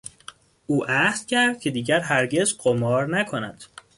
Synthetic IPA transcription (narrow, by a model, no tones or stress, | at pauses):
ʔuːʔæhz̥cʰæɾd̪̥̚cʰe̞d̪iːɟæɾɦæɾɟezɢomɒːɾnækʰonæd̪̥